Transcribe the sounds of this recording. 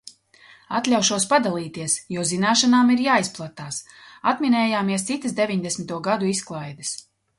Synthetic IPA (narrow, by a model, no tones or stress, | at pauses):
at̪lʲawʃuɔspad̪alˠiːt̪iɛsjuɔzinaːʃanaːmiɾjaːisplˠat̪aːs | at̪minɛːjaːmiɛst̪sit̪əsd̪evʲiɲd̪esʲmit̪uɔɡad̪uisklˠajd̪ɐs